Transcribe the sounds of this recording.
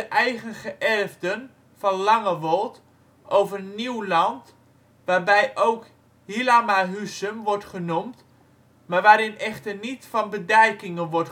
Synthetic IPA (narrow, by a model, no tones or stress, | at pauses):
əʔɛjχənχəʔɛrvdən | fɔnlɑŋəʋɔlˠt | ʔowvərəniwlɑnt | ʋaːrbɛjʔowk | hilamaɦysəmʋɔrtχənumt | marʋaːɾɪnɛχtərnitfɔnbədɛjkɪŋənʋɔrt